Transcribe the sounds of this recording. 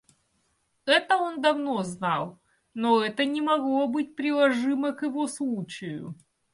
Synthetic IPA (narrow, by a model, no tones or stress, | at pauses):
ɛt̪əo̞nd̪ɐvno̞znɑlˠ | noɛt̪ənʲɪmɐɡlˠo̞bɨt̚ʲpɾʲɪlˠɐʐɨməkjɪvo̞slˠut͡ɕɪjʊ̰